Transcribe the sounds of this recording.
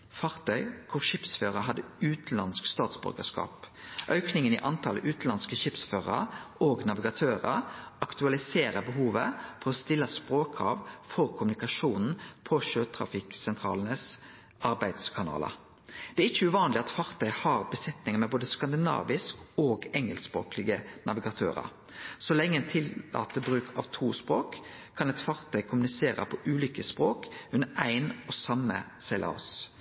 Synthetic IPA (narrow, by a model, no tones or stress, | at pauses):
fɑʁt̪ʰœʏkʰʊʃɪpsføːɾəɦɑd̪ːəʉːt̪lɑnskst̪ɑːt̪sbʏ̰ɾɡə̰skɑ̰ːp | ʔœʉknɪŋənɪ̰ʔɑnt̪ʰɑləʔʉːt̪lɑnskəʃɪpsføːʁə̰ɾoːɡnɑʋɪɡɑt̪ʰøːɾə̰ɾɑkt̪ʉɑlɪseːɾəbəɦuːʋəfɔʁɔst̪ɪlːɑspɾoːkʰɑʋfɔʁkʰʊmnɪkɑʂuːnn̩pʰɔʃøːt̪ʰʁɾɑ̰fɪksɛnt̪ʰʁɑ̰ːlənəs | ɑɾbæɪd̪skʰɑnɑ̰ːlə̰ | d̪̥ɛæɾɪçːəʉʋɑːnlɪɑt̪fɑʁt̪ʰœʏhɑʁbəsɛt̪nɪŋəmɛboːd̪əskɑnd̪ɪnɑ̰ːʋɪskoːɡɛŋəlspʁo̰ːklɪɡənɑʋɪɡɑt̪ʰø̰ːɾɑ̰ɾ | sɔlɛŋːəɛnt̪ʰɪlːɑ̰ːt̪əbɾʉːkʰɑ̰ʋt̪ʰuːspʁoːkʰː | ɑnɛt̪fɑʁt̪ʰœʏkʰʊmʉnɪseːɾə̰pʰɔʔʉːlʏkəspʁoːkʉnːəɾæɪnɔsɑmːə̰sɛɪlʔɑ̰s